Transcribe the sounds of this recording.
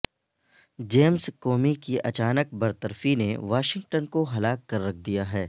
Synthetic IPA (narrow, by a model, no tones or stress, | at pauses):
d͡ʒeːmskɔːmikiʔɐt͡ʃaːnək̚bɐɾt̪əɾfinḛʋaːʃɪ̃ŋɡʈənkoɦɐlaːkːɐɾːɐk̚ʰd̪ijaɦɛː